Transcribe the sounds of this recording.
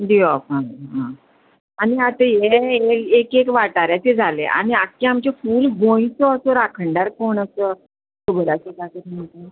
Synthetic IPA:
diɔfãɦã | aniat̪əjeekekekʋaʈaɾjat͡ɕed͡zʱalḛʔa̰ɽ̃iakːiamt͡ɕefuːlɦoĩsɔəsɔɾakʰəɳɖaɾkoɳəsəː | t̪obəɾasəkak̪əɾmət̪e

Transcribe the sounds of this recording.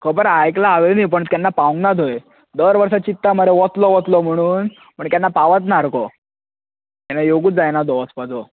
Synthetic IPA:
kʰəbəɾajklaːʋenipəɳt̪janːapaũŋɡnad̪ʱoje | d̪əɾʋəɾsat͡ɕit̪ːaməɾeʋɔt̪lɔʋɔt̪lɔm̤əɽ̃uːn | pəɳk̪janːapaʋat̪̬naɾkɔ | t̪janːajoɡuːt͡sd͡zajnad̪ɔəspad͡zɔ

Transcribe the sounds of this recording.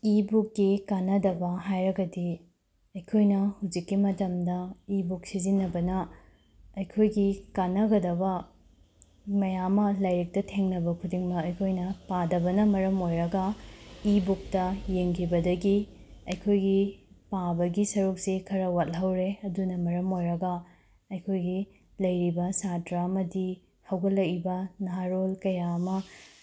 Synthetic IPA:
ibukːikanɐdɐbɐɦajɾɐɡɐdi | ɐjkʰojnɐhud͡ʒikːimɐtɐmdɐibuk̚sizinːɐbɐnɐ | ɐjkʰojɡikanɐɡɐdɐbɐ | mɐjamɐlɐjɾik̚tɐtʰeŋnɐbɐkʰudiŋmɐɐjkʰojnɐpadɐbɐnɐmɐɾɐmojɾɐɡɐibuk̚tɐjeŋkʰibɐdɐɡi | ɐjkʰojɡipabɐɡisɐɾuk̚sikʰɐɾɐwat̚lɦɐwɾeɐdunɐmɐɾɐmojɾɐɡɐ | ɐjkʰojɡi | lɐjɾibɐsatɾaɐmɐdi | hɐwɡɐlːɐkɾibɐnɐɦaɾolkɐjamɐ

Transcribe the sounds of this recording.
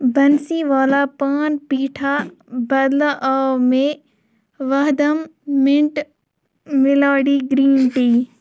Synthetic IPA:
bɐnsiʋaːlapaːnpiːʈʰabɐd̪laʔaːmẽ | ʋəɦd̪əmːɪ̃ɳʈ | mɪlaːɽiːɡɾiːnʈiː

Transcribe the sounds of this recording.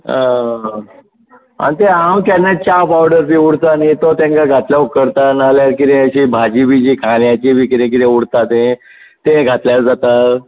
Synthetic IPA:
ɦã | a̰nit̪eɦãwt̪janːet͡ɕapaʋɖəɾbiuɽt̪anit̪ot̪jãŋkaɡʱat̪ljaukəɾt̪analjaɾkiɾẽəɕibʱad͡ʑibʱid͡ʑiːkʰaljat͡ɕibʱikɾẽk̬iɾẽuɽt̪at̪ẽ | t̪ẽɡʱat̪ljaɾd͡zat̪a

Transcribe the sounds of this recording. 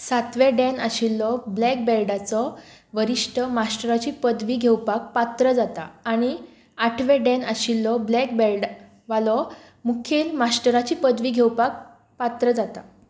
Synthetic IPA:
sat̪ʋeɖɛna̰ɕilːɔblɛk̚belɖat͡sɔʋəɾiʂʈʰəmasʈəɾat͡ɕiːpəd̪ʱʋiːɡʱewpak̚pat̪ɾəd͡zat̪a̰aɽ̃i | aʈʰʋeɖɛnaɕilːɔblɛk̚bɛlɖ | ʋalɔ | mukʰiːlmasʈəɾat͡ɕiːpəd̪ʱʋiːɡʱewpak̚ | pat̪ɾəd͡zat̪a̰

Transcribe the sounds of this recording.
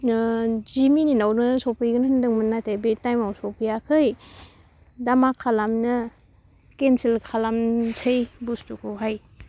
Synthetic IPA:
d͡ʒimininawnɯsopʰɯjɡɯnɐhɯndɯŋmɯnːatebitajmawsopijakʰɯj | damakʰːalamnɐ | kensilkʰalamtʰejbustukʰuɦaj

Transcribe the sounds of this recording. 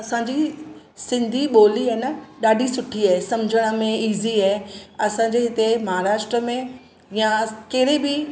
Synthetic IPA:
ɐsãːɲd͡ʑi | sɪ̃nd̪ʱiɓoːliaɦnəɗaːɖʱisʊʈʰiaːɦesɐmd͡ʑʱəɽ̃ə̆mẽiːziaɦeɐsãɲd͡ʑeɦɪt̪emɐɦaːɾaːʃʈɾəmẽ | jãkɐɪɾẽbɪ

